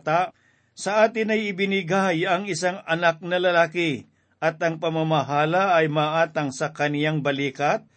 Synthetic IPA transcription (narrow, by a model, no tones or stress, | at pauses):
t̪a | sɐʔaːt̪ɪnɐjɪbɪnɪɡajɐŋɪsaŋɐnak̚nɐlɐlaːkɪ | ʔɐt̪ɐŋpɐmamɐɦaːlɐːjmɐʔaːt̪ɐŋsɐkɐnjaŋbɐliːkɐt̪̚